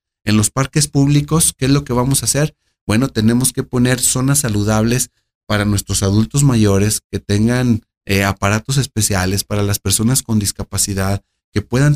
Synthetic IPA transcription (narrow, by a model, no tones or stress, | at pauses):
e̞nlo̞spaɾke̞spuβliko̞skeezlo̞ke̞βamo̞sase̞ɾ | b̥we̞no̞t̪e̞ne̞mo̞ske̞po̞ne̞ɾso̞nasːaluð̞aβ̞le̞s | paɾanwe̞st̪ɾo̞saðult̪o̞zmaʝo̞ɾe̞sket̪e̞ŋɡan | eapaɾat̪o̞s̬e̞spe̞sjale̞spaɾalaspe̞ɾso̞nasko̞nd̪iskapasiðað | ke̞pwe̞ðan